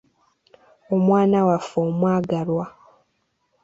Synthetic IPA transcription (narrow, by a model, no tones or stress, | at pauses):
omwaːnawafoːmwaːɡalwa